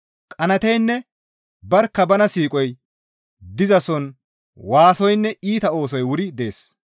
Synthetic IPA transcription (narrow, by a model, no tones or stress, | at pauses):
kʼɐnɐt̪ɛjnːɛ | bɐɾkːɐbɐnɐsiːkʼɔj | d̪ɪzɐsɔn | waːsɔjnːɛiːt̪ɐo̞ːs̬ɔjwʊɾɪd̪e̞ːs